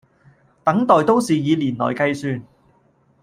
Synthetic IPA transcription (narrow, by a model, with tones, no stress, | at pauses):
t̪ɐ˨˥ŋt̪ɔː˨jt̪o˥wsiː˨jiː˨˧liː˨˩nlɔ̰ː˨˩jkɐ˧jsyː˧n